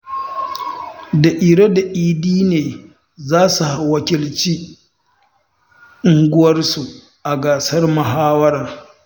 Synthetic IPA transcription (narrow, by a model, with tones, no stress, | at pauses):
da˨ʔɪ˨ɽɐ˦da˨ʔiː˦diː˦neː˨ | zaː˦su˨ha˨wɐ˨kʲɪ˨lt͡ʃiː˦ | ʔɪ˨ŋɡʷʊ˦wɐ˦rsu˨ | ʔa˨ɡaː˨sɐ˦rmɐ˨ɦaː˦wɐ˦ɾaː˨